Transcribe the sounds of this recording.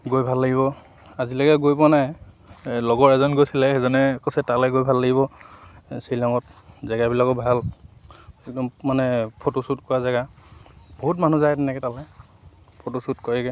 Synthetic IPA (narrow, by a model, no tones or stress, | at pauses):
ɡojbʱalːaɡiβɔ | azilaɡɛɡojpnaj | lɔɡɔɹɛzɔnɡojsilɛxɛzɔnɛkɔsɛtalɛɡojbʱalːaɡiβɔ | sejlɔŋɔt̚zaɡabilakɔbʱal | ɛk̚dɔmmanɛpʰotosutkɔazaɡa | b̥oɦut̬manuzajtɛnɛkɛtalɛ | pʰotosutkɔɹɛɡɛ